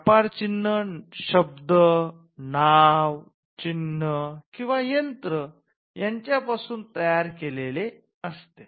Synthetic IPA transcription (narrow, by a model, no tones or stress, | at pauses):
paɾt͡ɕinːəɕəb̚d̪ə | naʋ | t͡ɕinːəkĩw̃ʋajənt̪ɾə | jaɲt͡ɕjapasuːnt̪əjaɾkelele | əst̪e